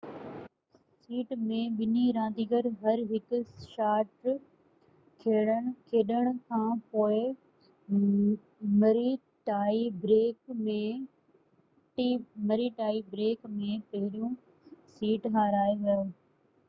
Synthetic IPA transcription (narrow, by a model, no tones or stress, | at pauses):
siːʈmẽɓɪniɾãːnd̪iɡəɾɦɐɾɦɪkʊʃaːʈ | kʰeːɽəɽ̃̆kʰeːɗəɽ̃ʊ̆kʰãːpoːɪ | mɐɾi | ʈaːibɾeːkmẽ | ʈːmɐɾiʈaːibɾeːkmẽpɐɦɪɾijũ | siːʈɦaːɾaːeʋɐ